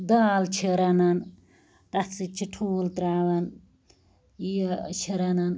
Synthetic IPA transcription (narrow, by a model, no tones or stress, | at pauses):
d̪aːlt͡ʃʰiɾɐnɐn | t̪ɐsit͡ʃʰiʈʰuːlt̪ɾaːʋɐn | ijt͡ʃʰiɾɐnan